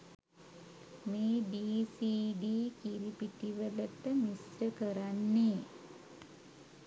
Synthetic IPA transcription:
meːɖiːsiːɖiːkiɾipiʈiʋələt̪əmisrəkəɾanːeː

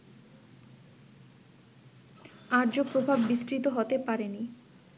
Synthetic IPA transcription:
aɾd͡ʑopɾobʱabːisʈɾit̪oɦot̪epaɾeni

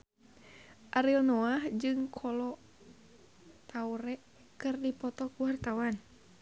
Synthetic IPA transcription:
ʔaɾiɔnoahd͡ʒɨŋkʰɔlɔ | t̪auɾɛ | kɨrdipɔt̪ɔkuwart̪awan

